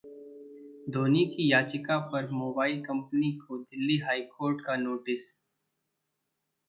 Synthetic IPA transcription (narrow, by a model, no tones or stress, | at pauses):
d̪ʱoːnikijaːt͡ʃɪkapɐɾmoːbaːɪlkɐ̃mpənikod̪ɪlːiɦaːikoːɾʈkanoːʈɪs